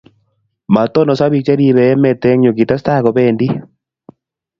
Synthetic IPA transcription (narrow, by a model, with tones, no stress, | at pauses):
ma˨t̪o˦nɔ˨sa˦βi˨k̚t͡ʃa˦ɾi˦˨βɛ˨ɛ˦mɛ˨tɛ˦ŋɲo˨ɡi˨ta˦sta˦˨kɔ˨be˦˨ndi˦